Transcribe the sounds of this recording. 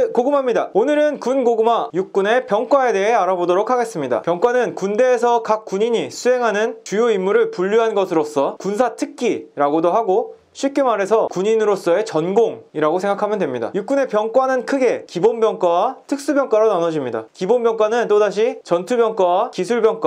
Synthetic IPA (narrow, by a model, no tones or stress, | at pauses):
koɡɯmɦamɲida̰onɯɾɯnkunɡoɡɯmajuk̚k͈une̞pjʌŋk͈wae̞de̞ɦe̞aɾabodoɾokʰaɡe̞s͈ɯmɲida̰pjʌŋk͈wanɯnkunde̞ːsʰʌkak̚k͈ːuɲiɲisʰuɦe̞ŋɦanɯnt͡ɕujoimːuɾɯɭpuʎːuɦanɡʌsʰɯɾos͈ʌkunsʰatʰɯk͈ʰiɾaɡodoɦaɡo | ɕʰɥip̚k͈emaɾe̞sʰʌkuɲinɯɾos͈ʌe̞t͡ɕʌnɡoŋiɾaɡosʰe̞ŋɡakʰamjʌndwemɲida̰juk͈une̞pjʌŋk͈wanɯnkʰɯɡe̞kibonbjʌŋk͈wawatʰɯk̚s͈ubjʌŋk͈waɾonanʌd͡ʑimɲida̰kibonbjʌŋk͈wanɯnt͈odaɕ̬ʰit͡ɕʌntʰubjʌŋk͈wawakisʰuɭbjʌŋk͈wa